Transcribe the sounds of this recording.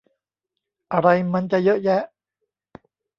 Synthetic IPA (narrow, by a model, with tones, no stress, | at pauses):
ʔa˧ɾa˧jma˧nt͡ɕa˨˩jɤ˦˥ʔjɛ˦˥ʔ